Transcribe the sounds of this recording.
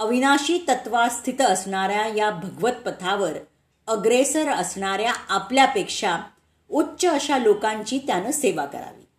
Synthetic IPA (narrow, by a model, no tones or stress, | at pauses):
əʋinaɕiːt̪ət̪ʋast̪ʰit̪əsɳaɾjajabʱəɡʋət̪̚pət̪ʰaʋəɾ | əɡɾesəɾəsɳaɾjaapljapekʂa | utːɕəːɕalokãɲt͡ɕiːt̪janəːseʋakə̰ɾa̰ʋḭː